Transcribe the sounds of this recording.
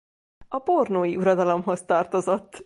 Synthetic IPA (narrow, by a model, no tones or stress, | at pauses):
ɒbornoːjiuɾɒd̪ɒlo̞mɦo̞st̪ɒrt̪o̞zo̞t̪ː